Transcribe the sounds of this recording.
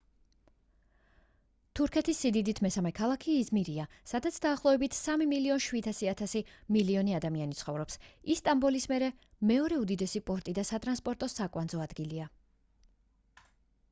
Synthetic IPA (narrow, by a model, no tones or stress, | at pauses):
t̪ʰuɾkʰɛt̪ʰisːid̪id̪it̪ʰmɛsamɛkʰalˠakʰiːzmiɾiasad̪at̪sʰd̪aːχlˠɔɛbit̪ʰsamimiliɔnʃwid̪asiat̪ʰasimiliɔniad̪amianit̪sʰχɔvɾɔpsisːt̪ʼambɔlismɛɾɛ | mɛɔɾɛud̪id̪ɛsipʼɔɾt̪ʼid̪asat̪ʼɾanspʼɔɾt̪ʼɔsakʼwanzɔad̪ɡilia